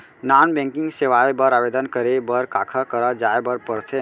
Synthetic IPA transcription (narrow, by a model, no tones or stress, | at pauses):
nanbɛ̃ŋkiŋɡseʋaebəɾabed̪ənkəɾebəɾkakʰakəɾəd͡ʒaebəɾpəɾt̪ʰe